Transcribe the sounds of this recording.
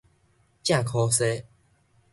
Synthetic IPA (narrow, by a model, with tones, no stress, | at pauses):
t͡ɕjã˥˨kʰɔ˧se˦